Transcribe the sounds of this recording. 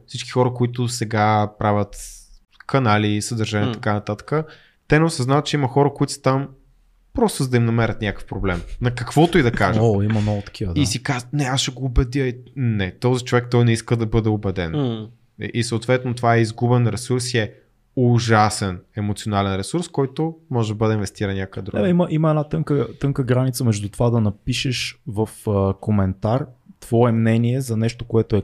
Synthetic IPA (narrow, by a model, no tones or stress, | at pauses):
fsit͡ʃkʲi̥xɔɾəkoit̪ʊsɛɡapɾavʲət̪ | kɐnalisəd̪əɾʒanʲiɛtt̪ɐkanɐt̪at̪ə̥kə | t̪ɛnɛʊsɐznavət̪̚t͡ʃɛiməxɔɾəkoit̪ʊ̥st̪am | pɾɔst̪ʊzd̪ɐimnɐmɛɾʲət̪nʲakə̥fpɾoblɛmnɐkɐkvɔt̪oid̪ɐkaʒəimɐmnɔɡʊt̪ɐ̥kivəisikaznɛaʃɛɡoːbɛd̪əɛnɛt̪ɔzit͡ʃovɛk̚t̪ɔjnɛiskəd̪ɐbɤd̪ɛobɛd̪ɛn | ʔisəːt̪vɛt̪not̪ovaɛizɡubɛnɾɛsuɾsiɛ | ʊʒasɛnɛmot̪sionalɛnɾɛsuɾskɔjt̪omɔʒɛd̪ɐbɤd̪ɛinvɛst̪iɾɐnnʲjakəɛd̪ɾuɡ̪ɛɛimɐʔimɐɛnat̪ɤŋkət̪ɤŋkəɡɾanit̪səmɛʒd̪ut̪ovad̪ɐnɐpiʃɛʃvɐfkomɛnt̪art̪v̥ɔɛmnɛniɛzɐnɛʃt̪okoɛt̪oɛ